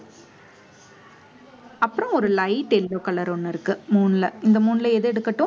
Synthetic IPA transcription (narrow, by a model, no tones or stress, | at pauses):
ɐpːɯɾɔ̃ɔɾɯlɐɪʈɛlːoːkɐɭɐɾɔnːɯɪɾɯkːɯmuːnlɐɪnd̪ɐmuːnlɐɛðɯɛɽɯkːɐʈːʊ̃